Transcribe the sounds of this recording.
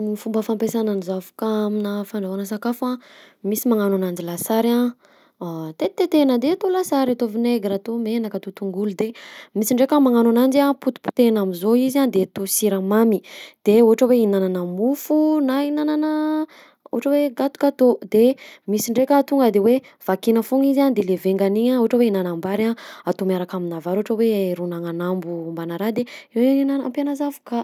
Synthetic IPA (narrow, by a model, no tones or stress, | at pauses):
ifumbəfampesananizafu̥kaminəfaɳɖ͡ʐawanəs̬akafua | misimaŋananand͡ʒilasaɾã | t̪et̪et̪enəd̪eat̪olasaɾat̪ovineɡɾat̪omenəkat̪ot̪uŋɡulud̪emisiɳɖ͡ʐekʲəmaŋananand͡ʒiaput̪u̥pu̥t̪enamizoizand̪et̪osiɾamamid̪̥eoɦʈ͡ʂəweinananəmufunainananə | o̰aʈ͡ʂəweɡat̪u̥kat̪od̪emisiɳɖ͡ʐekʲət̪uŋɡəd̪ewe | v̥akinəfuŋizand̪eleveŋɡaniɲaoɦaʈ͡ʂəweinanambaɾaat̪omjaɾakaminavaɾoɦaʈ͡ʂəweɾunaŋanambumbanaɾad̪eewenanampjanazavu̥ka